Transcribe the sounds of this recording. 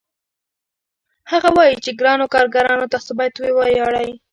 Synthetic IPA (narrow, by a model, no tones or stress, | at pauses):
haɣawɑjit͡ʃeɡɾɑnokɑɾɡaɾɑnot̪asobɑjat̪wewɑjɑɽaj